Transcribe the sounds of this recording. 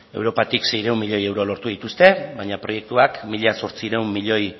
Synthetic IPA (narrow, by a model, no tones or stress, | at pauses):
e̞̰wɾo̞pat̪ikse̞jɾeumːiʎo̞je̞wɾo̞lo̞ɾt̪uðit̪ust̪e̞βajɲapɾo̞je̞k̚t̪uakmiʎaso̞ɾt͡siɾewmːiʎo̞j